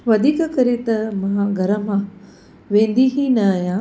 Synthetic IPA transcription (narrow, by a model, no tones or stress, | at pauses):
ʋɐd̪ʱiːkɐkɐɾet̪ɐmãːɡʱɐɾɐmãː | ʋẽːnd̪iɦinɐjãː